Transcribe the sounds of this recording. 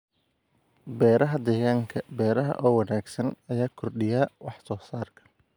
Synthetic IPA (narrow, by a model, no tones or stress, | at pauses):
bɛːɾɐɦɐd̪ɛːɣaːŋkʰɐbɛːɾɐɦɐ̰ʔɔːwɑnaːɡsɐnɐjaːkʰɔrɖɪjaːwɑħsɔːsaːrkʰɐ̥